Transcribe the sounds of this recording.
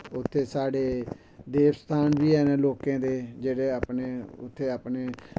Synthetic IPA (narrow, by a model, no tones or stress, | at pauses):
ʊt̪ʰːeːsaːɽeː | d̪eːʋst̪ʰaːnʋiːɦɛːneloːkãːd̪eːd͡ʒeːɽeːaːpneːʊ̰t̪ʰːeːaːpneː